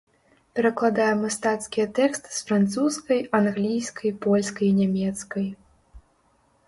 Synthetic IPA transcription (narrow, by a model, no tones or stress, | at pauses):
pʲɛɾɐklˠad̪ajɛmast̪at̪skʲijɛt̪ɛkst̪ɨ̥sfɾant̪suskɐjanɣlʲijskʰɐjpɔlʲskɐjnʲamʲɛt̪skɐj